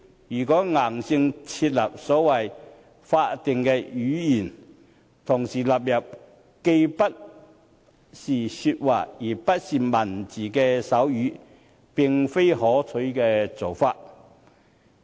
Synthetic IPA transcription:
jyː˨˩kɔː˨˥ŋaː˨˩ŋsɪ˧ŋt͡sʰiː˧t̚lɐ˨p̚sɔː˨˥wɐ˨˩j | faː˧t̚t̪ɪ˨ŋkɛː˧yː˨˥jiː˨˩n | t̪ʰʊ˨˩ŋsiː˨˩lɐ˨˩p̚jɐ˨p̚ | ke˧jpɐ˥t̚ | siː˨˩sy˧t̚waː˨˩jiː˨˩pɐ˥t̚siː˨mɐ˨˩nt͡siː˨˩kɛː˧sɐ˨˥wjyː˨˥ | pɪ˨˩ŋfe˥jɦɔː˨˥t͡sʰɵ˨˥jkɛː˧t͡so˨˩wfaː˧t̚

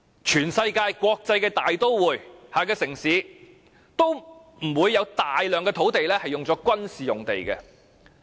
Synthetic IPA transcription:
t͡ʃʰyː˨˩nsɐ˧jkaː˧jkʷɔː˧k̚t͡sɐ˧jkɛː˧t̪aː˨jt̪o˥wwuː˨˩jhaː˨kɛː˧sɪ˨˩ŋsiː˨˥ | t̪o˥w | m̩˨˩wuː˨˧jːɐ˨˧wt̪aː˨jlœː˨ŋkɛː˧t̪ʰo˨˥wt̪e˨jlɛː˥hɐ˨jːʊ˨ŋt͡sɔː˨˥kʷɐ˥nsiː˨jʊ˨ŋt̪e˨jkɛ̰˧

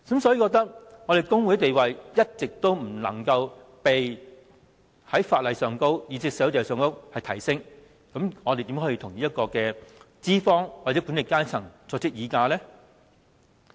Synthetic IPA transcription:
sɐ˨˥msɔː˨˥iː˧kɔː˧k̚t̪ɐ˥k̚ŋɔː˨˧ɾe˨jkʊ˥ŋwu˨˥t̪e˨jwɐ˨jjɐ˥t̚t͡sɪ˨k̚t̪o˥wm̩˨˩lɐ̰˨˩ŋkɐ˧w | pe˨j | hɐ˨˥jfaː˧t̚lɐ˨jsœː˨˩ŋko˥wjiː˨˧t͡sɪ˧k̚sɛː˨˥t̪e˨˩sœː˨˧ŋko˥whɐ˨jt̪ʰɐ˨˩jsɪ˥ŋ | kɐ˨˥mŋɔː˨˧e˨jt̪i˨˥ɦɔː˨˧˥ji˧t̪ʰʊ˨˩ŋniː˥jɐ˥t̚kɔː˧kɛː˧ | t͡siː˥fɔː˥ŋwaː˨ɛː˨˥kuː˨˥nle˨˩kaː˥jt͡sʰɐ˨˩ŋt͡sɔː˧k̚t͡sɪ˥k̚jiː˨˧kaː˧lɛː˥

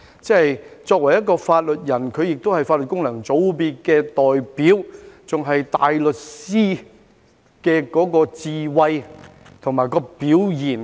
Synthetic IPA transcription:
t͡sɛ˥hɐ˨jt͡sɔː˧k̚wɐ˨˩jɐ˥t̚kɔː˧faː˧t̚lɵ˨t̚jɐ˨˩nkʰɵ˨˧ɥjɪ˨k̚t̪o˥whɐ˨jfaː˧t̚lɵ˨t̚kʊ˥ŋlɐ˨˩ŋt͡so˨˧˥wpiː˧t̚kɛː˧t̪ɔː˨jpiː˨˥wt͡sʊ˨ŋɦɐ˨jt̪aː˨jlɵ˨t̚siː˥ | kɛː˧kɔː˨˥kɔː˧t͡siː˨˧wɐ˧j | t̪ʰʊ˨˩ŋmaː˨jkɔː˧piː˨˧˥wjiː˨˩n

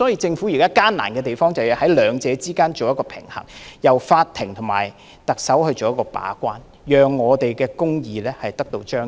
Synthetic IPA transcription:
sɔː˨˥ji˧t͡sɪ˧ŋfu˨˥jiː˨˩kaː˥kaː˥nna̰ː˨˩nkɛː˧t̪e˨jfɔː˥ŋt͡sɐ˨wjhɐ˨˥jlœː˨˧ŋt͡sɛː˨˧t͡siː˥kaː˥nt͡ʃo˨wjɐ˥t̚kɔː˧pʰɪ̰˨˩ŋhɐ̰˨˩ŋjɐ˨˩wfaː˧t̪ʰɪ˨˩ŋt̪ʰʊ˨˩ŋma̰ː˨˩j | t̪ɐ˨k̚sɐ˨˥whɵ˧ɥt͡so˨wjɐ˥tkɔː˧pa̰ː˨˥kʷaː˥n | jœː˨ŋːɔː˨˧t̪e˨jkɛː˧kʊ˥ŋjiː˨lɛː˥hɐ˨jt̪ɐ˥k̚t̪o˧wt͡ʃœː˥ŋ

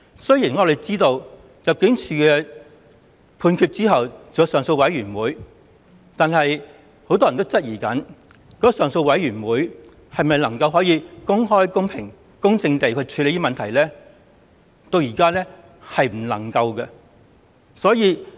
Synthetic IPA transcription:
sɵ˥ɥjiː˨˩nŋɔː˨˧le˨˩t͡siː˥t̪o˧w | jɐ˨p̚kɪ˨˥ŋt͡ʃʰyː˨˧kɛː˧ | pʰuː˧nkʰyː˧t̚t͡siː˥ɦɐ˨wt͡sɐ˨jɐ˨˧wsœː˨ŋso˧wɐ˨˥jɥyː˨˩nwuː˨˥j | t̪aː˨nɦɐ˨j | ho˨˥wt̪ɔː˥jɐ˨nt̪o˥wt͡sɐ˥t̚jiː˨˩kɐ˨˥n | kɔː˨˥˨sœː˨ŋso˧wwɐ˨˥jyː˨˩nwuː˨˥j | hɐ˨jmɐ˨jlɐ˨˩ŋkɐ˧wɦɔː˨˥jiː˨˧kʊ˥ŋɦɔː˥jkʊ˥ŋpʰɪ˨˩ŋ | kʊ˥ŋt͡sɪ˧ŋt̪e˨jkʰɵ˨˧˥t͡ʃʰyː˨˧le˨˧jt̪iː˥mɐ˨nt̪ʰɐ˨˩jlɛː˥ | t̪o˧wjiː˨˩kaː˥lɛː˥ | hɐ˨jm̩˨˩lɐ̰˨˩ŋkɐ˧wkɛ˧ | sɔː˨˥jiː˨˧

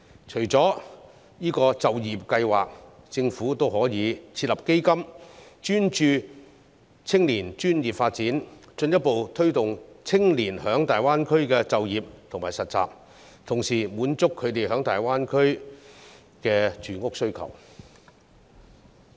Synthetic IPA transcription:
t͡ʃʰɵ˨˩ɥt͡sɔː˨˥ | jiː˥kɔː˧t͡sɐ˨wji˨p̚kɐ˧jwaː˨k̚ | t͡sɪ˧ŋfuː˨˥t̪o˥wɦɔː˨˥jiː˨˧t͡sʰiː˧t̚lɐ˨˩p̚ke˥jkɐ˥mt͡ʃyː˥nt͡ʃyː˧ | t͡sʰɪ˥ŋliː˨˩nt͡ʃyː˥njiː˨p̚faː˧t̚t͡siː˨˥nt͡ʃɵ˧njɐ˥t̚po˨wt̪ʰɵ˥ɥt̪ʊ˨ŋt͡sʰɪ˥ŋliː˨˩nhœː˨˥ŋt̪aː˨˩jwaː˥nkʰɵ˥ɥkɛː˧t͡sɐ˨wjiː˨p̚t̪ʰʊ˨ŋmaː˨˩jsɐ˨t̚t͡sa̰ː˨p̚ | t̪ʰʊ˨˩ŋsiː˨˩muː˨˥nt͡sʊ˥kʰːɵ˨˧ɥt̪e˨jɦœː˨˥ŋt̪aː˨jwaː˥nkʰɵ˥ɥ | kɛː˧t͡ʃyː˨˩ŋʊ˥k̚sɵ˥ɥkʰɐ̰˨˩w

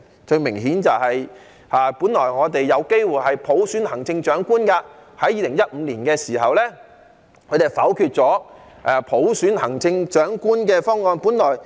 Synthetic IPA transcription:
t͡ʃɵ˧ɥmɪ˨˩ŋɦiː˨˥nt͡sɐ˨wɦɐ˨j | aː˨˧puː˨˥nlɔː˨˩jŋɔː˨˧t̪e˨jːɐ˨˧wke˥jwuː˨jhɐ˨jpʰo˨˥wsyː˨˥nhɐ˨˩ŋt͡sɪ˧ŋt͡ʃœː˨˥ŋkuː˥nkaː˧hɐ˨˥jiː˧lɪ˨˩ŋjɐ˥t̚m̩ː˨˧liː˨˩nkɛː˧siː˨˩hɐ˨wlɛː˥ | kʰɵ˨˧t̪e˨˩jfɐ˨˥wkʰyː˧t̚t͡sɔː˨˥ | ʔaː˨pʰo˨˥wsyː˨˥nhɐ˨˩ŋt͡sɪ˧ŋt͡ʃœː˨˥ŋkuː˥nkɛː˧fɔː˥ŋːɔː˧npuː˨˥nlɔː˨˩j

